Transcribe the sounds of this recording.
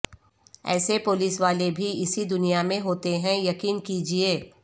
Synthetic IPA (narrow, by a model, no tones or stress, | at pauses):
ɛ̰ːsepʊliːsʋaːlebʱiɪsid̪ʊnijamẽɦoːt̪eɦɛ̃jɐkiːnkiːd͡ʒieː